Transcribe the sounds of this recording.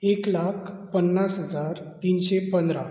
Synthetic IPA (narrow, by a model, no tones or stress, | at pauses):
eklakʰpənːasɦəd͡zaɾt̪inɕepənd̪ɾa